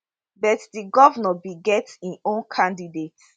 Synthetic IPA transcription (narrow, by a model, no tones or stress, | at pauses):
bɛtdiɡɔvnɔbiɡɛtĩõnkʰãndidet